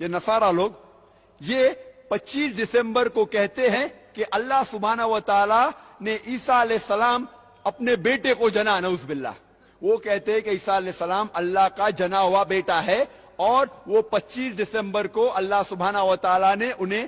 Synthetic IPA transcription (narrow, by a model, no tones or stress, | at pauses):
jenɐsaːɾaloːɡ | jepɐtːt͡ʃiːsɖɪsɛ̃mbəɾkokɛɦt̪eɦɛ̃keʔɐlːaɦsʊbʱaːnəɦʋət̪aːlaneʔiːsaɐlɛːɪsːɐlaːm | ɐpnebeːʈekod͡ʒɐnanɐʊzbɪlːa̰ː | ʋokɛɦt̪eɦɛ̃keiːsaɐlɛːsːəlaːmɐlːaɦkad͡ʒɐnaɦʊabeːʈaɦɛ | ɔːɾʋopɐtːt͡ʃiːsɖɪsɛ̃mbəɾkoʔɐlːaɦsʊbʱaːnəɦʊʋət̪aːlaneʔʊnɦẽ